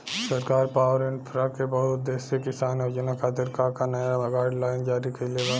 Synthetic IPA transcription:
sɐɾkaːɾpaːʋəɾẽɳpʰɾakebɐɦʊt̪̚d̪eːsekɪsaːnjod͡ʒnakaːt̪ɪɾkakanɐjaɡaːɖlaːɪnd͡ʒaːɾikeleːɡaː

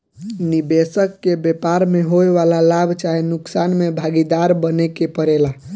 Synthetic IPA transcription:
nibesəkːebepaɾmeɦoeʋalalabʱt͡ʃaɦenuksanmebʱaɡid̪aɾbənekepəɾela

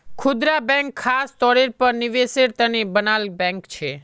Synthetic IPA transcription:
kʰʊd̪ɾabɛ̃ŋkʰːast̪ɔɾeɾpəɾniʋeseɾt̪ənebənalbɛ̃ŋkt͡ʃʰe

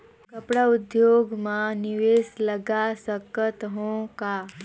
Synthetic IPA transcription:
kəpɽaud̪joɡmaniʋesləɡasəkət̪ɦõka

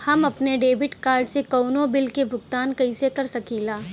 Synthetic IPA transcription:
hɐmɐpneɖeːbɪʈkaːɾɖsekɐːnõbɪlkebʱʊɡ̚t̪aːnkɐĩsekɐɾsɐkiːlaː

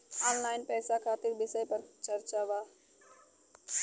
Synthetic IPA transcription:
ɔːnlaːɪnpɛːsakʰaːt̪ɪɾbɪsəpɐɾt͡ʃɐɾt͡ʃaʋaː

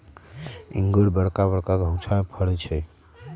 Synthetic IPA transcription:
ḭŋɡoɽbəɽkaβəɽkaɡʱə̃w̃t͡ʃʰamẽpʰəɽɛt͡ʃʰɛ

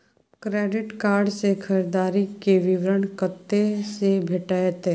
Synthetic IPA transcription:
kɾɛːɖɪʈkaːɾɖsekʰəɾed̪aːɾikeʋɪʋɾəɳkət̪ːesebʱeʈaːjət̪eː

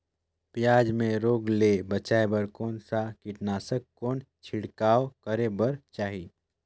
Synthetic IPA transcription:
pɪjaːd͡ʒmẽɾoːɡlebət͡ʃaːebəɾkoːnsakɪʈnaːsəkːoːnt͡ʃʰɪɽkaːokəɾebəɾt͡ʃaːɦi

